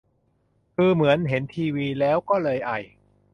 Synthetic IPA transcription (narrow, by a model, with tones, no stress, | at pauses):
kʰɯː˧mɯ˩˦ənɦe˩˦nt̪ʰiː˧wiː˧lɛː˦˥wkɔː˥˩lɤː˧jʔa˨˩j